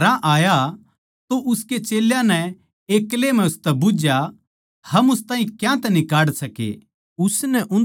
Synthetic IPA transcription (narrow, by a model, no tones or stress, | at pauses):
ɾãʔaːja | t̪oʔʊsket͡ʃeːljãnɛ | eːklemɛ̃ʊst̪ɛbʊd͡ʒja | hɐmʊst̪aːɦĩkjãt̪ɛnɪkaːɽsɐkḛ | ʊsnɛʔʊn